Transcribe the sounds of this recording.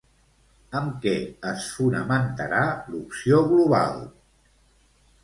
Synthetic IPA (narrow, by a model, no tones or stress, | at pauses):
əmkɛəsfunəmənt̪əɾalupsioɣluβa̰lˠ